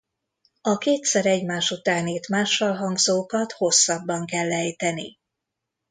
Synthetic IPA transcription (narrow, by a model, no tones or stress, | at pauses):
ɒkeːt̪sɛɾɛɟmaːʃut̪aːneːt̪maːʃːɒlɦɒŋɡzoːkɒt̪ho̞sːɒbːɒŋkɛlːɛjt̪ɛnḭ